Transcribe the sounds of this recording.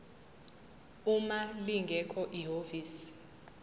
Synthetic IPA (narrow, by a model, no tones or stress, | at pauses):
umaliŋɡʱɛkʰɔʔiɦoviːsi̥